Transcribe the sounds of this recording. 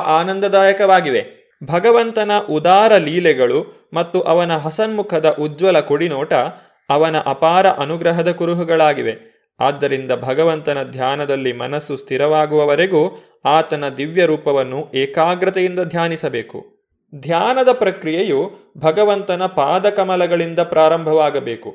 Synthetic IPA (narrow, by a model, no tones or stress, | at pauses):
ʔaːnɐnd̪ɐd̪aːjɐkɐʋaːɡiʋe | bʱɐɡɐʋɐnt̪ɐnɐʔud̪aːɾɐliːlɛɡɐɭu | mɐt̪ːuʔɐʋɐnɐɦɐsɐnmukʰɐd̪ɐʔud͡ʒʋɐlɐkoɽinɔːʈɐ | ɐʋɐnɐʔɐpaːɾɐʔɐnuɡɾɐɦɐd̪ɐkuɾuɦuɡɐɭaːɡiʋe̞ | aːd̪ːɐɾind̪ɐbʱɐɡɐʋɐnt̪ɐnɐd̪ʱjaːnɐd̪ɐlːimɐnɐsːust̪ʰiɾɐʋaːɡuʋɐʋɐɾeɡuː | aːt̪ɐnɐd̪iʋjɐɾuːpɐʋɐnːuɛːkaːɡɾɐt̪ɐjind̪ɐd̪ʱjaːnisɐbeːkṵ | d̪ʱjaːnɐd̪ɐpɾɐkɾijejubʱɐɡɐʋɐnt̪ɐnɐpaːd̪ɐkɐmɐlɐɡɐɭind̪ɐpɾaːɾɐmbʱɐʋaːɡɐbeːku